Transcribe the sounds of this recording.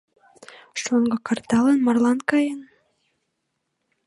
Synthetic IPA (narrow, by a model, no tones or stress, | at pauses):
ʃoŋɡɤ̆kɑrt̪ɑlənmɑrlɑnkɑjən